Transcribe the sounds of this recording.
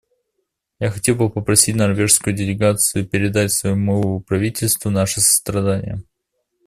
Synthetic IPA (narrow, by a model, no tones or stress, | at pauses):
jaxɐtʲe̞lˠbɨpəpɾɐsʲitʲnɐrvʲe̞ʂskʊjʊdʲɪlʲɪɡat̪sɨjʊpʲɪɾʲɪd̪atʲsvɐjumɔvəəpɾɐvʲitʲɪlʲst̪vənaʂɨsə̥st̪ɾɐd̪anʲɪ̰jə